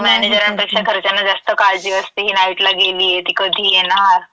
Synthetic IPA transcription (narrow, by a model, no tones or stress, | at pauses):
mɛned͡ʑəɾaɳ̃ipekʂakʰəɾt͡ɕanːad͡zast̪əkald͡ʑiːəst̪eɦiːnaiʈlaɡeliːjet̪iːkəd̪ʱiːjenaɾ